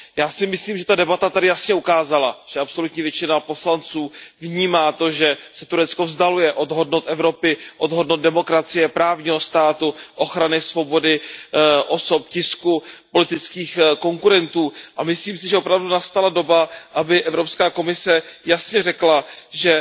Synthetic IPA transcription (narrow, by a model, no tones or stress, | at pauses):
jaːsɪmɪsliːmʒɛt̪adɛbat̪at̪adɪjasɲɛukaːzalaʒ̥ɛʔapso̞lut̪ɲiːvjɛt͡ʃɪnapo̞slant͡suːvɲiːmaːt̪o̞ʒɛsɛt̪uɾɛt͡sko̞vzdalujɛʔo̞dɦo̞dnowt̪ʔɛvɾo̞pɪʔo̞dɦodnot̪dɛmo̞kɾat͡sɪjɛpɾaːvɲiːɦo̞st̪aːt̪uʔo̞xɾanɪsvo̞bo̞dɪʔo̞sopcɪskupo̞lɪt̪ɪt͡skiːxko̞ŋkuɾɛnt̪uːʔamɪsliːmsɪʒɛopɾavdunast̪alado̞baʔabɪʔɛvɾo̞pskaːko̞mɪsɛjasɲɛrɛklaʒɛ